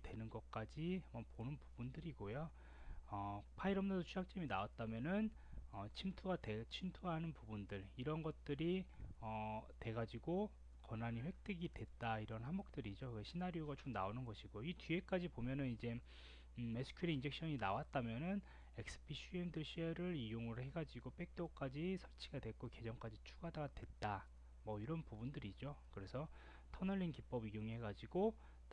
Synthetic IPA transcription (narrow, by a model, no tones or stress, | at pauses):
twe̞nɯnɡʌk͈ad͡ʑimʌponɯnpubundɯɾiɡojo | ʌpʰaiɾʌmnadot͡ɕʰujak̚t͡ɕ͈ʌminawat̚t͈amjʌnɯn | ʌt͡ɕʰimtʰuɡatet͡ɕʰimtʰuɦanɯnpubundɯɾiɾʌnɡʌt̚t͈ɯɾiʌte̞ɡad͡ʑiɡo | kʌnaɲiɸwe̞k̚t͈eɡidwe̞t͈aiɾʌnɦanbuk̚t͈ɯɾid͡ʑoeɕʰinaɾjoɡat͡ɕomna̰onɯnɡʌɕʰiɡ̥oitie̞k͈ad͡ʑipomjʌnɯnid͡ʑe̞ | me̞sʰɯ̥kʰiɾiind͡ʑe̞k̚ɕ͈ʰʌɲinawat̚t͈amjʌnɯn | e̞k̚s͈ɯ̥pʰiɕʰuemdɯɭɕʰieɾɯɾijoŋɯɾhe̞ɡad͡ʑiɡop͈e̞k̚t͈ok͈ad͡ʑisʰʌɭt͡ɕʰiɡadwe̞k͈oke̞d͡ʑʌŋk͈ad͡ʑit͡ɕʰuɡadadwe̞t̚t͈a | mʌiɾʌnpubundɯɾid͡ʑokɯɾe̞sʰʌ | tʰʌnʌɭʎːinkip͈ʌbijoŋiɦhe̞ɡad͡ʑiɡo